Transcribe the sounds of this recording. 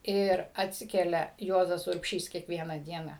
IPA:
ɪr ɐtʲˈsʲɪkʲɛlʲɛ ˈjuɔzɐs ʊrʲpʲˈʃʲiːs kʲiɛkˈʋʲiɛnɐ ˈdʲiɛnɐ

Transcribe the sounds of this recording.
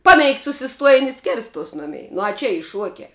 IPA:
ˈpɑːˌmʲɛɪkt sʊsʲɪˈstuɔjɪnʲ ɪ ˈsʲkʲɪrstuɔs ˈnʊmʲɛɪ nʊ ɐ ˈt͡ʃʲɛ ˈiː ˈʃuɔkʲɛ

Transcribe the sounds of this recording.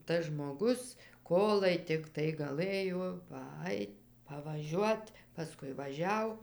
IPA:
ˈtɐs ʒmoːˈɡʊs ˈkoːlˠɐɪ tʲɪkˈtɐɪ ɡɐˈlˠɘjoː pɐˈɐɪt pɐʋɐˈʒʲuɔt pɐˈskʊɪ ʋɐˈʒʲɛʊ

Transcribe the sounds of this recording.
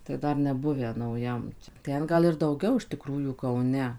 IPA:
tɐɪ ˈdɐr nʲɛˈbʊʋʲæː nɐʊˈjɛm ˈtʲɛn ˈɡɐlˠ ɪr dɐʊˈɡʲɛʊ ɪʃ tʲɪˈkruːjuː kɐʊˈnʲɛ

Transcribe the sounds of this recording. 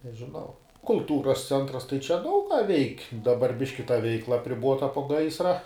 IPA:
nʲɛʒʲɪˈnɐʊ kʊlˠˈtuːrɐs ˈt͡sʲɛntrɐs tɐɪ t͡ʃʲɛ ˈdɐʊk kɑː ʋʲɛɪkʲ dɐˈbɐr ˈbʲɪʃʲkʲɪ tɐ ˈʋʲɛɪklˠɐ ɐpʲrʲɪˈboːtɐ poː ˈɡɐɪsrɐ

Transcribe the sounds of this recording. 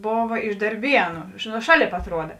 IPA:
ˈboːʋɐ ɪʃ dɐrʲˈbʲiɛnʊ nʊ ˈʃɑːˌlʲeːp ɐtˈruɔdɐ

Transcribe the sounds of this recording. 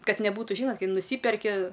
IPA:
ˈkɐt nʲɛˈbuːtʊ ˈʒʲiːnoːt ˈkɐɪ nʊˈsʲiːpʲɛrʲkʲɪ

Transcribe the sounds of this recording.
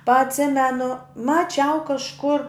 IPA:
pɐ ɐtʲˈsʲɪmʲɛnʊ mɐˈt͡ʃʲɛʊ kɐʃˈkʊr

